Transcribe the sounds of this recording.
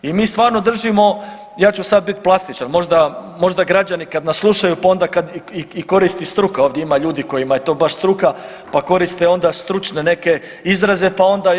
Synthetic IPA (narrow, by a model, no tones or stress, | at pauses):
imiːst̪ʋaːɾno̞d̪r̩ʒimo̞ | jaːt͡ɕusad̪̚bit̪plˠast̪it͡ʃanmo̞ʒd̪amo̞ʒd̪aɡɾad͡ʒanikad̪nasslˠuʃajupao̞nd̪akad̪iiko̞ɾist̪ist̪ɾukaoʋd̪jeimaʎuːd̪ikojimaje̞t̪o̞ːbaʃst̪ɾuka | pako̞ɾist̪eo̞nd̪ast̪ɾut͡ʃne̞ne̞ke̞ | izɾaze̞pao̞nd̪a